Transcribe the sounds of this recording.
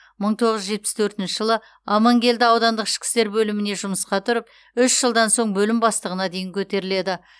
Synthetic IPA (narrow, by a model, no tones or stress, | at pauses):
məɴt̪ʰo̞ʁəzʒʒe̞t̪̚pɪ̥st̪ʰɵɾt̪ɪnʃɪʒəlˠə | ɑmɑŋkʲe̞ld̪ɪɑwd̪ɑnd̪əqɪ̥ʃkʲɪ̥st̪e̞ɾbɵlɪmɪne̞ʒʊməsqɑt̪ʰʊɾəp̚ | ʏʃʒ̥əlˠd̪ɑnso̞ɴbɵlɪmbɑst̪əʁənɑd̪e̞jɪŋkʲʰɵt̪e̞ɾɪle̞d̪ɪ